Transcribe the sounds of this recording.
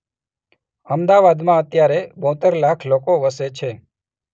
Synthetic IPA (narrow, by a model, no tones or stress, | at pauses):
əmd̪aʋad̪mãət̪jaɾebɔ̃t̪əɾlakʰlokoʋəset͡ʃʰe